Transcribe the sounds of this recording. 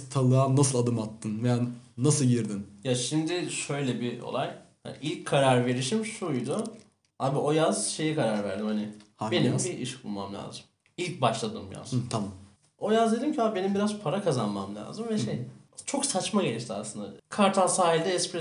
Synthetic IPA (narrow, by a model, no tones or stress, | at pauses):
t̪ʰalˠɯaːnasɯlˠad̪ɯmat̪ʰːɯnveja | nasɯlˠɟiɾd̪injaʃimd̪ɪʃø̞jlʲɛbio̞̰lˠajha̰nʔilʲckʰːaɾaɾve̞ɾiʃimʃujd̪ʊ | haːbiʔo̞jaz̥ʃe̞jikaɾaɾvæ̰ɾd̪imhanɪhbe̞nimbiiʃk̚bulˠma̰mlʲa̰ːzɯm | ilʲc̚baʃlˠad̪ɯmja̰zt̪ʰamam | o̞jazd̪ed̪imcʰiabe̞nimbiɾazpʰaɾakʰazanmamlʲa̰ːzɯmvɛʃej | t͡ʃʰo̞ksat͡ʃmaɟe̞lʲiʃt̪ʰia̰slɯnd̪a̰kʰaɾt̪ʰanˠsaːɦilʲd̪ɛɛspɾɛ